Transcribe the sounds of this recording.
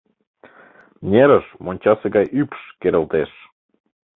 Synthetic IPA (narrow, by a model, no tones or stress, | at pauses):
nʲeɾəʃmonʲt͡ɕɑseɡɑjʔypʃkeɾʲĕlt̪eʃ